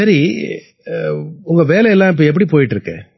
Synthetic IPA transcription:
sɐɾi | ʊŋɡɐʋeːlɛjɛlːãːɪp̬ːoːɛp̬ːɐɽipoːjɪʈːɪɾɯkːḛ̃

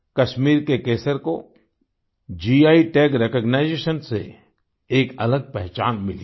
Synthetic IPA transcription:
kɐʃmiːɾkekeːsəɾko | d͡ʒiːaːiʈɛːkɾeːkɔːɡnaːɪd͡ʒeːʃənsḛ | eːkɐləɡ̚pɛɦt͡ʃa̰ːnmɪli

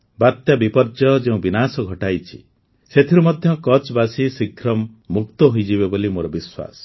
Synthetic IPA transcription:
bat̪jabipɔɾd͡ʒɔd͡ʒeũbinasɔɡʱɔʈajt͡ʃʰi̥̰ | set̪ʰiɾumɔd̪ʱjɔkɔt͡ʃbasisikʰɾɔmː | ukt̪ɔɦojd͡ʒiβebolimoɾɔbiswa̰sɔ̥

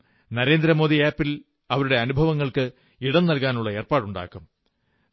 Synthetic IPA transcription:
nɐɾe̞ːnd̪ɾɐmo̞ːðiaːpːil | ɐʋɐɾuɽe̞ɐnubʱɐʋɐŋːɐɭkɨ | iɽɐnːɐlkaːnuɭːɐe̞ːrpaːɽuɳɖa̰ːkːum

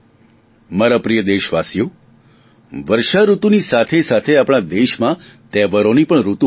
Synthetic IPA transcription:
maɾapɾijəd̪eʃʋasjo | ʋəɾʃaɾut̪unisat̪ʰesat̪ʰeapɽ̃ad̪eʃmãt̪ɛʋəɾonipəɳɾut̪u

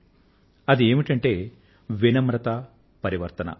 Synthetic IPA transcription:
ɐd̪ie̞ːmiʈɐɳʈe̞ː | ʋinɐmɾɐt̪ɐ | pɐɾiʋɐɾt̪ɐnɐ̰

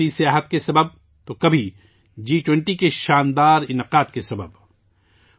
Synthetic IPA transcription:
isijaːɦət̪kesɐbəb̚ | t̪okɐbʱi | d͡ʒiːʈwɛ̃ɳʈikeʃaːnd̪aːɾɪnəqaːd̪̚kesɐbə̰b

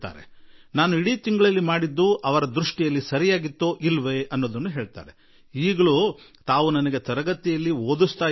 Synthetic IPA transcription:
t̪a̰ːɾḛnaːnuiɽiːt̪iŋɡɐɭɐlːimaːɽid̪ːuʔɐʋɐɾɐd̪ɾuʂʈijɐlːisɐɾijaːɡit̪ːoːʔilʋe̞ɐnːo̞ːd̪ɐnːuɦe̞ːɭt̪a̰ːɾe̞ | iːɡɐɭut̪aːʋunɐnɐɡet̪ɐɾɐɡɐt̪ːijɐlːioːd̪ust̪aː

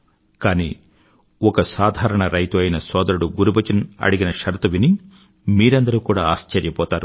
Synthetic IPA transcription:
kaːnḭː | ɔkɐsaːd̪ʱaːɾɐɳɐɾɐjt̪uɐjnɐsɔːd̪ɐɾuɽuɡuɾubɐt͡ʃinɐ̰ɽiɡinɐʃɐɾt̪ɐʋini | miːɾɐnd̪ɐɾuːkuːɽaːaːst͡ʃɐɾjɐpɔːt̪aːɾu

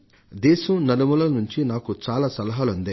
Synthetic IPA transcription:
d̪ɛːsɐmnɐnɐmulɐnuɲt͡ʃinaːkut͡ʃaːlaːsɐlɐɦaːlund̪e

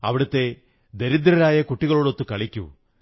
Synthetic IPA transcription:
ɐ̰ʋiɽɯt̪ːe̞ | d̪eɾid̪ɾɐɾaːjɐkuʈːiɣɐɭoːɽo̞t̪ːɨkɐɭikʲːṵ

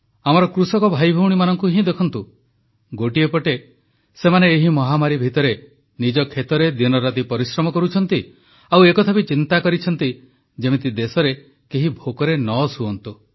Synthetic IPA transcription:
amɔɾɔkɾusɔkɔbʱajbʱɔwɽimanɔŋkuɦĩd̪ekʰɔnt̪u | ɡoʈiepɔʈe | semaneːɦimɔɦamaɾibʱit̪ɔɾe | nid͡ʒɔkʰet̪ɔɾed̪inɔɾat̪ipɔɾisɾɔmɔkɔɾut͡ʃʰɔnt̪i | awekɔt̪ʰabit͡ʃint̪akɔɾit͡ʃʰɔnt̪i | d͡ʒemet̪id̪esɔɾe | keɦibʱokɔɾenɔsuɔnt̪u

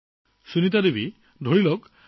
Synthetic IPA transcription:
sunitadibi | dʱoɹilɔk

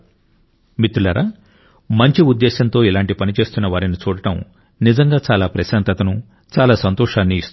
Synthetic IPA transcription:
mit̪ːulɐɾʔaː | mɐɲt͡ʃiud̪ːeːɕɐnt̪o̞ːilaːɳʈipɐnit͡ʃe̞ːst̪unːɐʋaːɾinit͡ʃuːɽɐʈɐm | nid͡ʒɐŋɡaːt͡ʃaːlaːpɾɐʃɐnt̪ɐt̪ɐnu | t͡ʃaːlaːsɐnt̪ɔːʂaːnːiːst̪

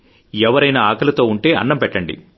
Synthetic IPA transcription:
ɛʋɐɾɐjnɐaːkɐlɐt̪o̞ːuɳʈe̞ːʔɐ̰nːɐmpɛʈːɐɳɖḭ

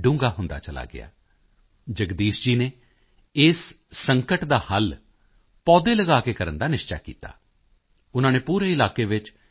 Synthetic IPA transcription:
ɖũːŋɡaːɦʊnd̪a̰ːt͡ʃəla̰ːɡɪ̰a̰ː | d͡ʒəɡd̪iːʃd͡ʒiːneː | ɪsːəŋkəʈd̪aːhəl | pɔːd̪eːləɡaːkeːkəɾə̰nd̪aːnɪʃta̰ːkḭːt̪a̰ː | ʊnãːneːpuːɾeːɪlaːkeːʋɪt͡ʃ

